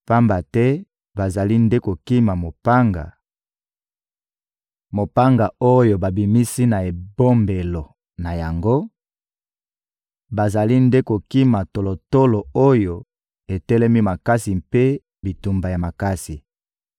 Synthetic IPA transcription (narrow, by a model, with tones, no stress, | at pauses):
pa˦mba˨tɛ˦ | ba˨za˨li˦nde˦ko˨ki˦ma˨mo˨pa˦ŋɡa̰˨ | mo˨pa˦ŋɡa˨o˦jo˨ba˨bi˨mi˦si˦na˨e˨bo˦mbe˨lo˨ | na˨ja˨ŋɡo˦ | ba˨za˨li˦nde˦ko˨ki˦ma˨to˨lo˨to˦lo˨o˦jo˨ | e˨tɛ˦lɛ˦mi˦ma˨ka˦si˨mpe˦ | bi˨tu˨mba˨ja˨ma˨ka˦si˨